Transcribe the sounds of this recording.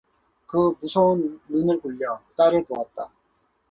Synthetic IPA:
kɯmusʰounnunɯɭkuʎːʌt͈aɾɯɭpowat̚t͈a

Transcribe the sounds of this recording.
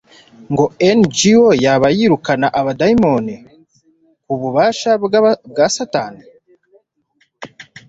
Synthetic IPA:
ŋɡo̞end͡ʒiojaβajiɾukanaʔaβadajimo̞ni | kuβuβaːʃaβɡasataːni

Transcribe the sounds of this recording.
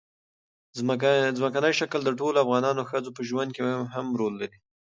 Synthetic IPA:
zməkanəjʃakəld̪əʈolafɣɑnɑnoxəd͡zopəʒwand̪̚keɦamɾolːaɾi

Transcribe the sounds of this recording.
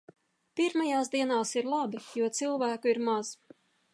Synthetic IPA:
piɾmajaːsd̪iɛnaːsiɾlˠabijuɔt̪silˠvæːkuiɾmaz̥

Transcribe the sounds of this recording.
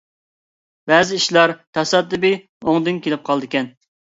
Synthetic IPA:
bɛːzɪiʃlˠɑɾt̪ʰɑsɑd̪ːɨbɪ | oŋd̪ɨnkʲʰelɪp̚qʰɑlˠd̪ɨkʲɛn

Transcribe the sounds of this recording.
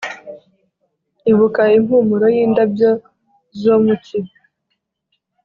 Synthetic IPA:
iβukaim̥humuɾojiːndabjo | zomuciɾ

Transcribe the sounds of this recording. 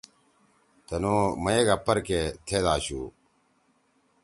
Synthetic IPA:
t̪ənoːməeːɡəpːəɾkeːt̪ʰeːd̪aːɕuː

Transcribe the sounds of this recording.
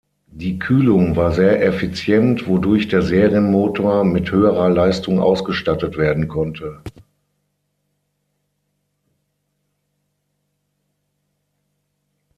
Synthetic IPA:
d̥iːkʰyːlʊŋvaːɐzeːɐʔɛfit͡sjɛntv̥odʊɐçd̥eːɐzeːʁjənmoːtʰoːɐmɪthøːəʁɐlaɪstʊŋʔa̰ʊsɡ̥əʃtatətv̥eːɐdn̩kʰɔntʰə

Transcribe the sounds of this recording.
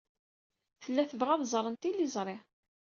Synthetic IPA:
θəlːæθəvʁæðzˤɾˤənt̪ilːizˤɾˤɪʕ

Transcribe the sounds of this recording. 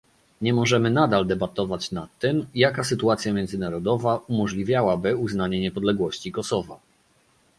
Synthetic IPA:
ɲɛmɔʐɛmɘnad̪ald̪ɛbat̪ɔvat͡ɕnat̪ːɘmjakasɘt̪uat̪sʲjamʲjɛnd̪zɘnaɾɔd̪ɔvaumɔʐlʲivʲjawabɘuznaɲɛɲɛpɔd̪lɛɡwɔɕt͡ɕikɔsɔva̰

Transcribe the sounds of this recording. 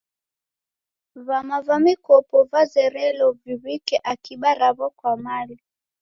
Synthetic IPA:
vamavamikɔpɔvazɛɾɛlɔviβikɛʔakiɓaɾaβɔkwamali

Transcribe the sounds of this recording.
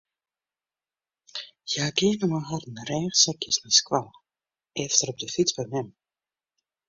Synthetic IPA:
jaːkeːnəmaɦɔrn̩ərɛːxsɛkjəsniskwal | ʔɛftərɔb̚dəfit͡sbəmɛm

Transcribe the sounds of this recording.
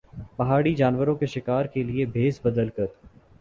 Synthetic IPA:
pɐɦaːɽid͡ʒaːnʋəɾõkeʃɪkaːɾkeliebʱeːsbɐd̪əlkɐɾ

